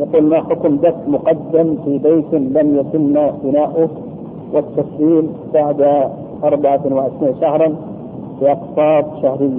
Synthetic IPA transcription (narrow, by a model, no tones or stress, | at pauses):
jaquːlmaħʊkmd̪aft̪mʊqɑd̪ːamfibeːt̪lamjat̪ɪnːabɪnaːʔʊ | wat̪ːasliːmbaʕd̪a | ʔɑɾˤbaʕanwɪʕɪʃɾiːnʃahɾˤɑn | fiʔɑqsˤɑːb̪̚ˤʃahɾɪjːa